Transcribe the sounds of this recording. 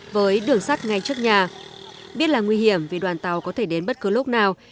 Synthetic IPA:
vəː˨˦jɗɨ˧˩əŋsa˦˥t̚ŋa˧jt͡ɕɨ˦˥ək̚ɲaː˨˩ɓi˦˥ət̚laː˨˩ŋwi˧hi˧˩əmvi˨˩ɗwaː˨˩nt̪a˨˩wkɔ˨˦t̪ʰe˧˩ɗe˨˦nɓə˦˥t̚kɨ˨˦lo˦˥k͡p̚naː˨˩w

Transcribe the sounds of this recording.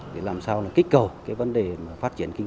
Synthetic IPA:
tʰi˨˧˩laː˨˩msaː˧wlaː˨˩kï˦˥k̟̚kə˨˩wkaː˨˦jvə˨˦nɗeː˨˩˨faː˦˥t̚t͡ɕi˧˨ənki˧ŋ

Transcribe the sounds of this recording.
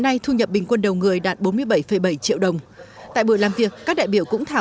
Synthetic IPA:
na˧jt̪ʰu˧ɲə˨˩p̚ɓï˨˩ŋ̟kwə˧nɗə˨˩wŋɨ˨˩əjɗaː˨˩t̚ɓo˨˦nmɨ˧əjɓə˧˩jfə˧˩jɓə˧˩jt͡ɕḭ˧˨əwɗə˨˩wŋ͡mt̪a̰ː˧˨jɓu˧˩əlaː˨˩mvi˨˩əkːaː˦˥k̚ɗa̰˧˨jɓi˧˩əwkʊ̰˧˥ŋ͡mt̪ʰaː˧˩

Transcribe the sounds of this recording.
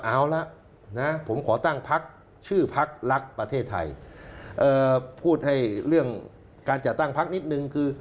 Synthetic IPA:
ʔaː˨˩wla˦˥ʔ | na˦˥pʰo˩˦mkʰɔː˩˦t̪a˥˩ŋpʰa˦˥k̚ | t͡ɕʰɯː˥˩pʰa˦˥k̚la˦˥k̚pɾa˧t̪ʰeː˥˩t̪ʰːa̰˧jʔɤː˧pʰuː˥˩t̪̚ha˥˩jɾɯ˥˩əŋ | kaː˧nt͡ɕa˨˩t̪ːa˥˩ŋpʰa˦˥k̚ni˦˥t̪̚nɯ˧ŋkʰɯː˧

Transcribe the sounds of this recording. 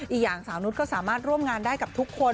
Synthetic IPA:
ʔi˨˩k̚jaː˨˩ŋsaː˨˩˦wnu˦˥kʰɔ˥˩saː˩˦maː˥˩t̪̚ɾu˥˩əmŋaː˧ndaː˥˩jka˨˩p̚t̪ʰu˦˥kʰːo˧

